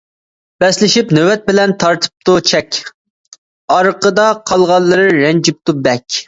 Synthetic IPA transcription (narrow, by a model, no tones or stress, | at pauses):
b̥ɛslɪʃipnøwɛt̪̚bɪlɛnt̪ʰɑɾt̪ʰə̥p̚t̪ut͡ʃʰɛkʲ | ɑɾəqəd̪ɑqʰɑlˠʁɑlˠːɨɾɨɾɛnd͡ʒip̚t̪ubɛkʲ